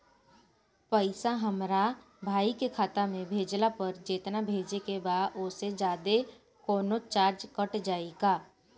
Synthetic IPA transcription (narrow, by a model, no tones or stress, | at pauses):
pəɪsaɦɐmɾa | bʱaːikekʰaːt̪amẽbʱeːd͡ʒlapɐɾd͡ʒeːt̪nabʱeːd͡ʒekebaːd̪osed͡ʒaːd̪e | koːnot͡ʃaːɾd͡ʒkəʈd͡ʒaːeɡaː